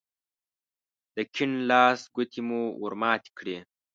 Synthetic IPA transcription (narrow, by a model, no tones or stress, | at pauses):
d̪̥əkʰiɳlɑːsɡut̪ʰimuṵɾmɑːt̪i̥kʰɽe